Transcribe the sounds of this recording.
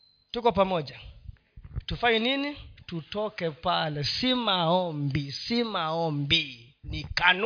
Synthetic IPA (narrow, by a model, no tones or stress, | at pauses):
tukɔpamɔʄa | tufaɲininitutɔkɛpalɛsimaɔmbisimaɔmbinikan